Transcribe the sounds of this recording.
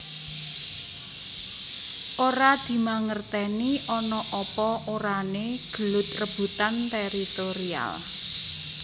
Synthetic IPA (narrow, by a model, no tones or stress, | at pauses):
ʔoɾad̪̥i̤maŋərt̪ɛniʔɔnɔʔɔpɔoɾaneɡ̥ə̤lʊt̪̚rəb̥ṳt̪ant̪eɾit̪oɾia̰l